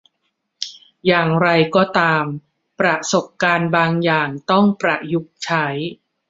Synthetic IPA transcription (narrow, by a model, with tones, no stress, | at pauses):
jaː˨˩ŋɾa˧jkɔː˥˩t̪aː˧m | pɾa˧so˨˩p̚kaː˧nbaː˧ŋjaː˨˩ŋt̪ɔ˥˩ŋpɾa˨˧ju˦˥k̚t͡ɕʰa˦˥j